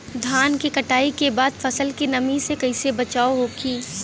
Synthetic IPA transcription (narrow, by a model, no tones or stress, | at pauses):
d̪ʱaːnkekɐʈaːikebaːd̪fʰɐsəlkinɐmisekɐɪsebɐt͡ʃaːoɦokʰiː